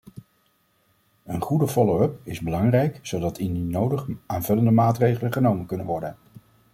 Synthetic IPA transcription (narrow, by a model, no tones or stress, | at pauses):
ənχudəfɔlowɵpɪzbəlɑŋrɛjksowdɑtʰɪndinowdəχʔaːnvɵləndəmaːtrejχələχənowmənkɵnənʋɔɹdən